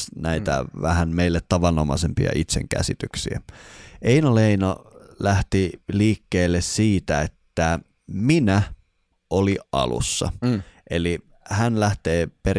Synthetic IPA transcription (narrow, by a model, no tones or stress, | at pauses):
næit̪æ̰ʋæhænmeilːet̪tɑʋɑnːomɑ̰sempḭɑ̰ʔit̪sḛŋkæ̰sit̪yksiæ̰ʔeinoleinolæht̪iliːkːeːlːessiːt̪æet̪ːæ | minæ | ʔoliʔɑ̰lṵsːɑ̰ʔeli | hænlæht̪eːper